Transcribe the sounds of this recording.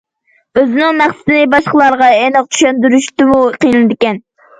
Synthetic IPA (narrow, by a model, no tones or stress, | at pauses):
øzɪnɪŋmæχsɪ̥t̪ɪnɪbɑʃqəlˠɑɾʁɑenɨq̚t͡ʃʰy̥ʃɛnd̪yɾyʃt̪ɪmuqijnɨlɨd̪ɪkʲɛn